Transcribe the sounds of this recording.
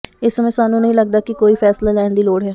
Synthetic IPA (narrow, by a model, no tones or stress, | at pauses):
ɪsːəmɛ̃ːsaːnːũːnəɦĩːləɡ̚d̪aːkɪkoːiːpʰɛːslaːlɛːɳd̪iːloːɽɦɛː